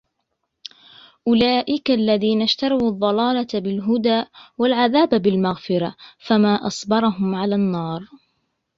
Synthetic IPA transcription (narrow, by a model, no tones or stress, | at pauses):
ʔʊlaːʔɪkaʔalːaðiːnaʃt̪ɑɾˤɑwɑðˤːɑlɑːlabɪlɦʊd̪aːʔwalʕaðaːbbɪlmaɣfɪɾafamaːʔɑsˤbɑɾˤɑɦʊmʕalaːnːɑːɾˤ